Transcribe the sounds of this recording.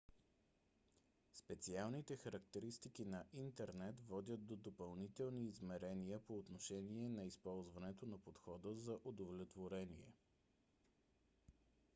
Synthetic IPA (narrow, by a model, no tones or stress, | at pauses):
spɛt̪sialˠnit̪ɛxəɾɐk̚t̪ɛɾist̪ikinɐʔint̪ɛɾnɛt̪vɔd̪ʲjət̪̚d̪od̪opɐlˠnit̪ɛlˠniːzmɛɾɛniəpoːt̪noʃɛniɛnɐispɔlˠzvɐnɛt̪onɐpot̪xɔd̪əzɐʔod̪ovlɛt̪voɾɛniɛ̰